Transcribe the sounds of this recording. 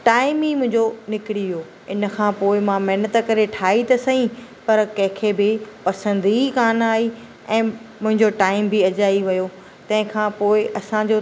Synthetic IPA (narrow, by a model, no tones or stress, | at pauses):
ʈaːɪmɦimʊ̃ɦɪ̃ɲd͡ʑonɪkɪɽiʋioː | ɪnə̆kʰãːpoːɪmãmɐɦɪnət̪kɐɾeʈʰaːit̪ɐsɐɦĩpɐɾkɐ̃ɦɪ̃kʰebɪpɐsə̃nd̪ikaːnaːi | ɛ̃ːmʊ̃ɦɪ̃ɲd͡ʑoʈaːɪmbʱɪɐd͡ʑaːiʋɐjo | t̪ɐ̃ɦɪ̃kʰãːpoːɪʔɐsãd͡ʑoː